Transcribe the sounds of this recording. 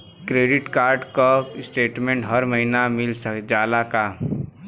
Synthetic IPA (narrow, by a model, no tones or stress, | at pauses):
kɾeːɖɪʈkaːɾɖkasʈeːʈmẽɳʈɦəɾməɦinamɪlsəkd͡ʒaːlaka